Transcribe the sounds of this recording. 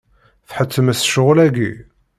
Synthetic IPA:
θħət͡sːəmæsʃʊʁlæɡi

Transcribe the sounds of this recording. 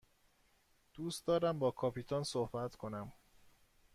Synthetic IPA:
d̪̥uːst̪d̪ɒːɾæmbɒːkʰɒːpʰit̪ʰonsohbæt̪ʰkʰo̞næm

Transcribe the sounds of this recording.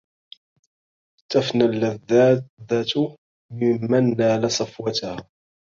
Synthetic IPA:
t̪afnalːaðːaðːat̪ | mɪmːanːaːlasˤɑfwat̪aha

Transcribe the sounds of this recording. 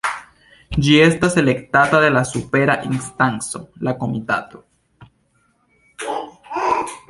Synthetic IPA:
d͡ʒie̞stase̞le̞ktataðe̞lasupe̞ɾaʔinstanso̞lako̞mita̰to̞̥

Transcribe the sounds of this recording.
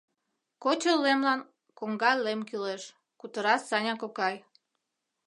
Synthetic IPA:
kot͡ɕəlːemlɑn | koŋɡɑllemkileʃ | kut̪əɾɑsːɑnʲɑkokɑj

